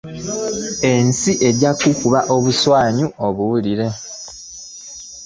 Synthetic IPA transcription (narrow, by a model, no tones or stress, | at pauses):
ensiʔe̞ɟakukuβaʔo̞βuswaːɲuoβuwuliɾe̞